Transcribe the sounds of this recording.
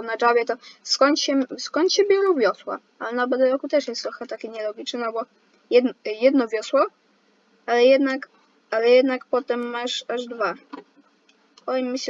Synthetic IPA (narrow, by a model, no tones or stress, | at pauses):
nad͡ʐavʲjɛt̪ɔskɔnt̪ɕɛskɔnt̪ɕɛbʲjɔɾɔ̃wvʲjɔswa̰ | alɛnabɛd̪ɛɾɔkut̪ɛʂjɛst̪ɾɔxɛt̪akʲɛɲɛlɔɡʲit͡ʂnɘnɔbɔ | jɛd̪njɛd̪nɔvʲjɔswɔ | alɛjɛd̪nak | alɛjɛd̪nakpɔt̪ɛmːaʂaʐd̪va | ɔimːɘɕ